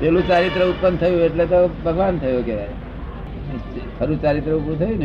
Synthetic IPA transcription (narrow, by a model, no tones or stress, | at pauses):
telut͡ʃaɾit̪ɾəut̪̚pənd̪t̪ʰəjũeʈlet̪obʱəɡʋant̪ʰəjokeʋa̰j | pʰəɾut͡ʃaɾit̪ɾəupɾũt̪ʰəjũne